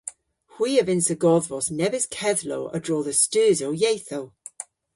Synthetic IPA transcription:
hw̥iːəvɪ̃nsəɡɔðvɔsnɛvəz̥kʰɛðloʊʔə̰dɹɔːðəstəːzoʊjeɪθoʊ

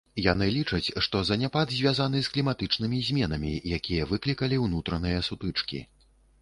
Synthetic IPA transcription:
janɨlʲit͡ʂɐt͡sʲʂt̪ɔzɐnʲapad̪zʲvʲazan̪ɨsklʲimat̪ɨt͡ʂnɨmʲizʲmʲɛnɐmʲḭjakʲijɐvɨklʲikɐlʲiwnut̪ɾɐnɨjɐsut̪ɨt͡ʂkʲḭ

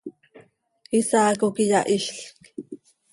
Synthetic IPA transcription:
isaːkokijɑʔiʃɬk

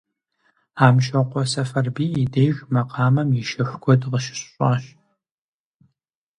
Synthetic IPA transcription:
aːmʃʼɐqʷɔsɐfɐrbiːidejʒmɐqɑːmɐmɪʃɐxʷɡʷʰɔdʁəʃɪ̥ɕɕʼaːɕ

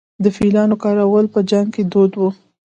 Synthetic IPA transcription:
d̪əfilɑnokɑɾawəlpəd͡ʒaŋɡ̚ked̪od̪wu

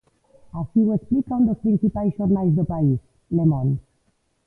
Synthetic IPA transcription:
asiwesplikɔ̃nd̪əpɾĩnsipajʃɔɾnajzd̪əpais | lemɔ̃n

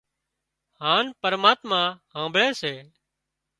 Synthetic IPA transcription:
hãːnpəɾmaːt̪mãːɦãːmbʱɭeːseː

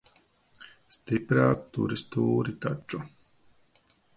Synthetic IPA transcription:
st̪ipɾaːt̪ːṵɾist̪uːɾit̪at͡ʃʼːu

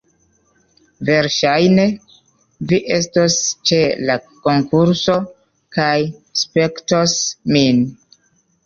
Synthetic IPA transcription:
ve̞ɾʃajne̞ | viʔe̞stost͡ʃe̞lako̞ŋkuɾso̞ | kajspe̞ktosmin

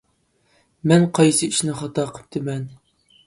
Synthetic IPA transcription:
mɛnqʰɑjsɨiʃnɪχɑt̪ɑqʰə̥p̚t̪ʰɨmɛn

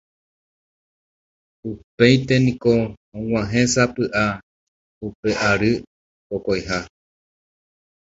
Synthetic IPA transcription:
upe̞jt̪e̞nĩko̞ | õŋ̃ʷãɦẽsapɨʔa | upe̞ʔaɾɨ | pokojɦa

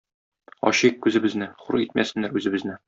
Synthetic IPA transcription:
ɒ̰ɕikkʉzɘ̆bɘ̆znɘχṵɾit̪mæsɘ̆nːæɾʉzɘ̆bɘ̆znɘ

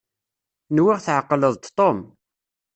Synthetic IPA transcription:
nwiʁθʕəqːləðˤt̪t̪ˤːom

